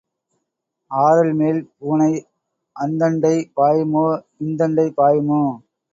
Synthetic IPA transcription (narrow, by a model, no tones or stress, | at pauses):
aːɾɐlmeːlpuːɳɐɪ | ʔɐnd̪ɐɳɖɐɪpaːjmoː | ɪnd̪ɐɳɖɐɪpaːjmoː